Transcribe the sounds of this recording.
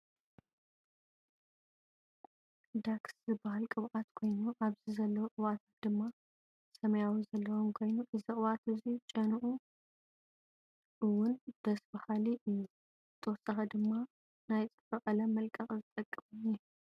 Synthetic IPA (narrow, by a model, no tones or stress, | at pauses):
d̪akszɨbahalkʼɨβʕat̪kʰo̞jnuʔaβzizɐlːɐwoʔʼɨwat̪ʰḁt̪̚d̪̥ɨmːa | sɐmɐjawizɐlːɐwomkʰo̞jnuʔɨziʔʼɨwat̪ɨzit͡ʃʼɐnʔu | ʔɨwʊnd̪̥ɐsbahaliʔɨjːu | zɨt̪ʰɐwɔsɐxɐd̪ɨmːa | najt͡sʼɨfɨʔɐlɐmːɐlkʼɐχʼzɨt̪ʼɐkʼːɨmʼɨɲij